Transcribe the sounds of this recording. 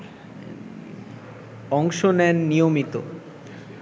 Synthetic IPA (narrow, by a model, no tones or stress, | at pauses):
ɔŋʃonɛnːijomit̪o̰